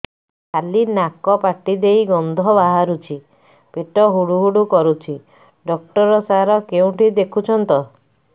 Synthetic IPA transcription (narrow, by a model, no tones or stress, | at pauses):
kʰalinakɔpaʈid̪ejɡɔnd̪ʱɔbaɦaɾut͡ʃʰi | peʈɔɦuɽuɦuɽukɔɾut͡ʃʰi | ɖɔk̚ʈɔɾɔsaɾɔkeũʈid̪ekʰut͡ʃʰɔnt̪ɔ